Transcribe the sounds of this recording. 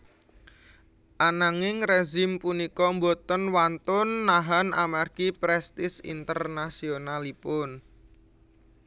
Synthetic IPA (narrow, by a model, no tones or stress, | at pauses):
ʔanaŋɪŋreʒɪmpunikɔmbot̪ənwant̪ʊnːaɦanʔa̰marɡ̥ipɾɛst̪ɪsḭnt̪ərnasionalipʊn